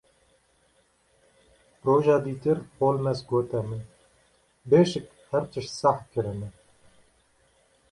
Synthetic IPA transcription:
ɾoːʒɑːd̪iːt̪ɨɾpoːlmɛsɡoːt̪ɛmɨ | beːʃɪk̚ | hɛɾt͡ʃ̪ɨʃt̪sɑħkɨɾɨnɛ

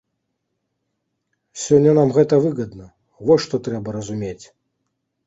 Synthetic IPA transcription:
sʲɔnʲːɐnamɣɛt̪ɐvɨɣɐd̪nɐ | vɔʂt̪ɔt̪ɾɛbɐɾɐzumʲet͡sʲ

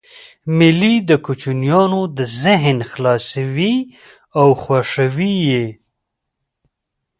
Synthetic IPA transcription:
mɪlid̪əkut͡ʃunjɑnod̪əzɪɦnxlɑsawi | awxwaʂawije

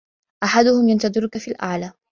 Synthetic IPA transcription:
ʔaħad̪ʊhʊmjant̪ɑd̪ˤɨɾʊkafiːlʔa̰ʕlaː

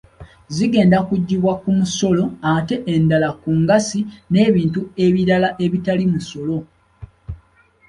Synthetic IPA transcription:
ziɡe̞ːndakuɟːiβwakumuso̞lo̞ate̞ʔendalakuŋɡasine̞ːβiːntue̞βiɾalaʔe̞βitalimuso̞lo̞

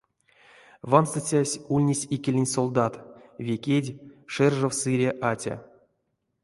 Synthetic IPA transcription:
vanst̪ɨt͡sʲasʲulʲnʲisʲikʲelʲenʲsolˠd̪at̪vʲekʲedʲʂɛrʐowsɨɾʲeʔat͡sʲa̰

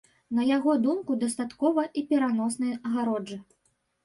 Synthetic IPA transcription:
nɐjaɣɔd̪umkud̪ɐst̪at̪kɔvɐʔipʲɛɾanɔsnɐjɐɣaɾɔd͡ʐɨ

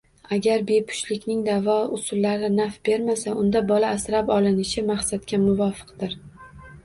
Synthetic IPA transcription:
aɡʲaɾbe̞pʰʊ̥ʃlɪkʲnɪŋd̪avɒʊsʊlːaɾɪnafb̥e̞ɾmasaʔʊnd̪abɒlaːsɾapɒlˠɪnɪʃɪmaχsat̪kʲamʊvɒfɨ̥qd̪ɪɾ

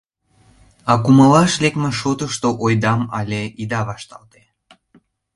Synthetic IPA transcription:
ɑkumɑlɑʃlekmeʃot̪əʃt̪oʔojd̪ɑmɑ̰lʲeid̪ɑβɑʃt̪ɑ̰lt̪e

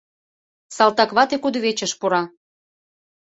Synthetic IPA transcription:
sɑlt̪ɑkβɑt̪ekud̪ɤβet͡ɕə̆ʃpuɾɑ

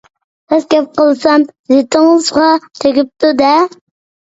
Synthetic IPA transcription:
sɛskʲɛp̚qəlˠsɑmzet̪ʰɪŋəzʁɑt̪ʰeɡʲip̚t̪ud̪ɛ

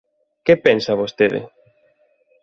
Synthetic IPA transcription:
kepensɐβost̪eðɪ̰

